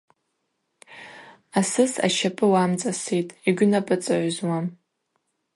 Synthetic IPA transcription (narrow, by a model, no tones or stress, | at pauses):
asɨsa̰ʃʰapʼɨwamt͡sʼasitʼiɡʲʷʊnapʼɨt͡sʼɨʕʷzwam